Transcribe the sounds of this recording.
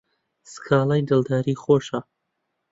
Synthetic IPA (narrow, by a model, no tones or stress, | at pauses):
sɨ̥kʰaːlˠajd̪ɨlˠd̪aːɾiːχoːʃa